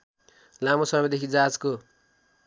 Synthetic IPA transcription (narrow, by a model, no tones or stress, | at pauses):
lamosʌmʌd̪ekʰid͡zad͡zko